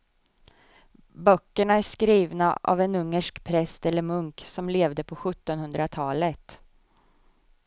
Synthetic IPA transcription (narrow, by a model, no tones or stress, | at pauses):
bœkːəɳaæʂkɾiːvna̰ʔa̰vɛnɵŋːəʂkpʰɾɛst̪ɛlːəɾmɵŋksɔmleːvd̪əpʰɔɧɵt̪ːɔnhɵnd̪ɾat̪ʰɑːlət̪